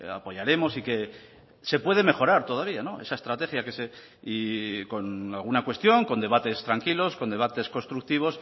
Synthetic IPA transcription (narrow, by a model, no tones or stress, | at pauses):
a̰po̞jaɾe̞mo̞sike̞ | se̞pwe̞ð̞e̞me̞xo̞ɾaɾt̪o̞ðaβ̞iano̞e̞sae̞st̪ɾat̪e̞xjake̞se | iko̞nalɣ̞unakwe̞st̪jo̞ŋko̞nd̪e̞βat̪e̞st̪ɾaŋkilo̞skond̪e̞β̞at̪e̞sko̞st̪ɾuk̚t̪iβ̞o̞s